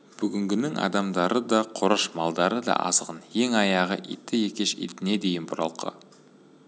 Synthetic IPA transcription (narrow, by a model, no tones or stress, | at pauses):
b̥ʏɡʲɪŋɡʲɪnɪŋʔɑ̰d̪ɑmd̪ɑɾəd̪ɑqʰʊɾəʃmɑlˠd̪ɑɾəd̪ɑ̰ʔɑ̰zəʁənjeŋɑjɑʁə̰ʔḭt̪ːɪje̞kʲe̞ʃḭt̪ɪne̞d̪e̞jɪnbʊɾɑ̰lˠqʰə̰